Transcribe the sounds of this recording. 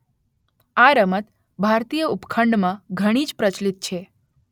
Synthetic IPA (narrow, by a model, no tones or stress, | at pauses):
aɾəmət̪ | bʱaɾt̪ijəupkʰəɳɖmãɡʱəɽ̃id͡ʒpɾət͡ʃlit̪̚t͡ʃʰe